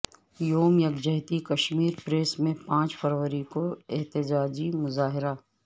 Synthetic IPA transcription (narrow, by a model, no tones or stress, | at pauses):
joːmjɐɡd͡ʒɐɦɪt̪ikɐʃmiːɾpɾeːsmẽpãːt͡ʃfʰɐɾʋəɾikoeɦt̪ɪd͡ʒaːd͡ʒimʊzaːɦɪɾaː